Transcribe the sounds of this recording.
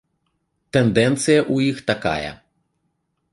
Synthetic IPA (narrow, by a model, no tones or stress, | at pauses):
t̪ɛnd̪ɛnt̪sɨjɐʔujixt̪aka̰jɐ̰